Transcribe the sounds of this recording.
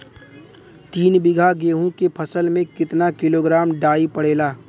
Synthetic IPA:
t̪iːnbɪɡʱaɡeːɦõkepʰəsəlmẽkɪt̪nakɪloːɡɾaːmɖaːipɐɽ̤eːlaː

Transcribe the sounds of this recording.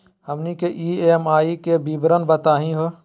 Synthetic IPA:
həmnikeʔiːeːmaːikebiːbɾənbət̪aːɦĩɦo

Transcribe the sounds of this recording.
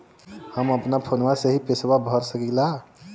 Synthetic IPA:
həməpnapʰonʋaseɦipeswabʱəɾsəkila

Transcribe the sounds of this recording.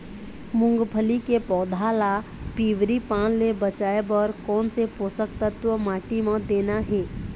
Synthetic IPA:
mʊ̃ŋɡpʰəlikepɔd̪ʱalapiʋɾipanlebət͡ʃaebəɾkɔːnseposəkt̪ət̪ʋəmaːʈimẽd̪eːnaɦe

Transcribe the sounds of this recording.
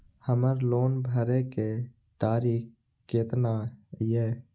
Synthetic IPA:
həməɾloːnbʱəɾeke | t̪aːɾiːk | keːt̪najeː

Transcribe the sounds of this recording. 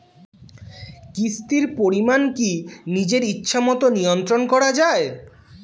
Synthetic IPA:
kist̪iɾpoɾimankinid͡ʑeɾitːɕʰamɔt̪onijont̪ɾonkɔɾad͡ʑae

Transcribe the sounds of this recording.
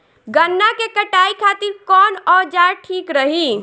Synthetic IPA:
ɡənːakekəʈaikʰat̪iɾkɔnɔd͡ʒaɾʈʰikɾəɦi

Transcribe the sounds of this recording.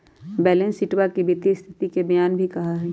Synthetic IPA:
bɛːlẽnsɪʈwakibit̪ist̪ʰɪt̪ikebɐjaːnbʱikɐɦaɦɛ

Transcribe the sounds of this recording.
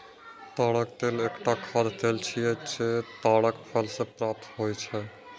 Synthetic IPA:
t̪aɽək̚t̪elekʈakʰad̪ʱt̪elt͡ʃʰijed͡ʒet̪aɽəkpʰɛlsẽpɾap̚t̪ɦojt͡ʃʰɛ

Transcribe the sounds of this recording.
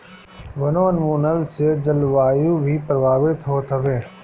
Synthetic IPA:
ʋənoənmuːnəlsed͡ʒəlʋaːjũbʱipɾəbaːʋɪt̪ɦoːt̪ʰəʋeː

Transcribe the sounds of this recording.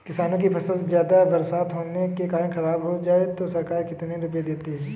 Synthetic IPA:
kɪsaːnõk̬ipʰɐsəlzjaːd̪abɐɾsaːt̪ɦoːnekekaːɾənxɐɾaːbɦod͡ʒaːet̪osɐɾkaːɾkɪt̪neɾʊped̪eːt̪iɦɛː

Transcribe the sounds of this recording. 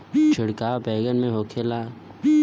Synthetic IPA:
t͡ʃʰɪɽkaːbɛːɡənmẽɦoːkʰeːlaː

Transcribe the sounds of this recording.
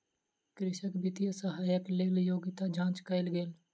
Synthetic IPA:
kɾɪʃəkbɪt̪ijəsəɦaːjəkleːljoːɡɪt̪ad͡ʒʱãːt͡ʃkəɪlɡeːl

